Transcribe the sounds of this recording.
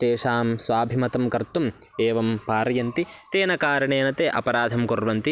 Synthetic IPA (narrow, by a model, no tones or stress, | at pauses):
t̪eːʂaːmsʋaːbʱimɐt̪ɐmkɐɾt̪um | eːʋɐmpaːɾɐjɐnt̪it̪eːnɐkaːɾɐɳeːnɐt̪eːʔɐ̰pɐɾaːd̪ʱɐmkoɾʋɐnt̪i